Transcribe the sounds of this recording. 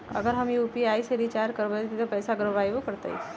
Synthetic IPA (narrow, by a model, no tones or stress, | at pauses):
ə̰ɡəɾɦəmiupiajseɾit͡ɕaɾkəɾbət̪it̪ʰəpəjsaɡɾəʋajʋokəɾt̪a̰j